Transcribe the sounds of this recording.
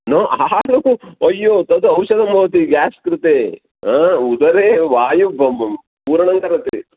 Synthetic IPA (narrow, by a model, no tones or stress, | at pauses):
noːʔaːluɐjːot̪ɐd̪uɐwʃɐd̪ɐmɐʋɐt̪iɡaːskɾut̪eː | aːud̪ɐɾeːʋaːjub | puːɾɐɳɐŋɡɐɾɐt̪ḛ